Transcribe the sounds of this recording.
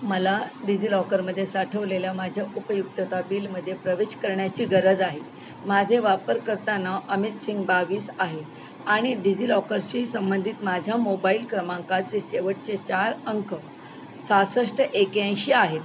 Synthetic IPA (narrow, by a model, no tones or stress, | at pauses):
məlaɖid͡ʑilɔkəɾməd̪ʱːjesaʈʰəʋleljamad͡ʑʱjaʔupəjuk̚t̪ət̪abiːlməd̪ʱːjepɾəʋeɕkəɾɳjat͡ɕiːɡəɾəd͡zaɦe | mad͡ʑʱeʋapəɾkəɾt̪anːaʔəmit̪siŋɡbaʋiːsaɦe | aɽ̃iɖid͡ʑilɔkəɾt͡ɕisəmbənd̪ʱiːt̪mad͡ʑʱjamobaiːlkɾəmãŋkat͡seseʋəʈ̚t͡ɕet͡ɕaɾəŋkʰə | sasəʂʈəʔekjãj̃ɕiːaɦet̪